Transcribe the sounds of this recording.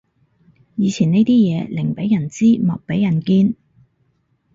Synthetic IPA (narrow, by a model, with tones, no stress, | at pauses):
jiː˨˧t͡sʰiː˨˩ne˥jt̪iː˥jɛː˨˧lɪ˨˩ŋpe˨˥jɐ˨˩nt͡siː˥mɔ̰ː˨k̚pe˨˥jɐ˨˩nkiː˧n